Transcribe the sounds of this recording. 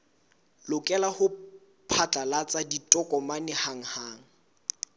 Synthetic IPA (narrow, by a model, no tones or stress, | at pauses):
lʊkʼɛlahʊ | pʰat͡ɬʼalat͡sʼaditʼɔkʼɔmanɪhaŋ̩haːŋ̩